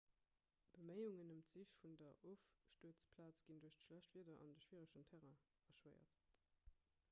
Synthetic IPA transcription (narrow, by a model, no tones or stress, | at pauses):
b̥əməɪuŋənəmtz̥iʃfundɐʔoʊfʃtuət͡spʰlaːt͡sɡ̥induɐɕtʃlæɕtv̥iːɐdɐʔɑ̰ndəʃv̥iːʁəʃəntʰæʁɐ | fɐʃwəɪɐ̰t